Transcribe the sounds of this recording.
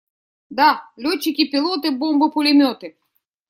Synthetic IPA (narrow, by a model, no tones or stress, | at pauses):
d̪ɑlʲɔt͡ʃːɪkʲipʲilˠɔt̪ɪbɔmbʊpʊlʲɪmʲɔt̪ɪ